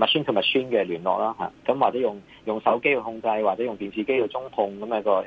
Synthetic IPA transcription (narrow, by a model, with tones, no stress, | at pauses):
mɐ˨t̚si˥nkʰə˧mɐ˨t̚syː˥nkɛː˧lyː˨˩nlɔ̰ː˨k̚laː˥ɦa̰ː˨˩kɐ˨˦˥mwaː˨˩t͡sɛ˨˥jʊ˨˩ŋ | jʊ˨ŋsɐ˨˥wke˥jhʊ˧ŋt͡sɐ˧jwaː˨k̚t͡sɛ˨˥jʊ˨ŋt̪iː˨˩nsiː˧˩ke˥jko˧wt͡sʊ˥ŋhʊ˧ŋkɐ˨˦mjɛ˨˥kɔː˧